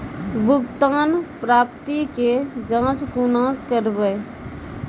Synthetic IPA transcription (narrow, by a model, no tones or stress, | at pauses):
bʱʊɡt̪aːnpɾaːp̚t̪iked͡ʒãːt͡ʃkunakəɾbəe